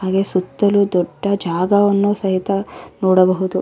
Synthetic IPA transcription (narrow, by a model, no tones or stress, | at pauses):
ɦaːɡe̞sut̪ːɐlud̪ɔɖːɐd͡ʒaːɡɐʋɐnːusɐɦit̪ɐnoːɽɐbɐɦud̪u